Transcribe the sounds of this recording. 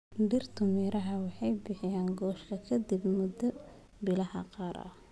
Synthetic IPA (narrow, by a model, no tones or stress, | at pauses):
ɖɪrt̪ʰʊmiːɾɐɦɐwɑħɑjbɪħɪjaːŋɡɔːʃkʰɐkʰɐd̪ibmʊd̪ɐ | bɪlɐhɐ̰qɑːɾɐ̰h